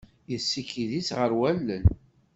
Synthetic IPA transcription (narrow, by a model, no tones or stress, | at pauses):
jəsːikiðisʁəɾwælːən